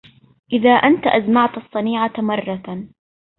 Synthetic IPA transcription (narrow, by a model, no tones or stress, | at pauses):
ʔɪðaːʔant̪aʔazmaʕt̪ɑsˤːɑniːʕamɑrˤːɑ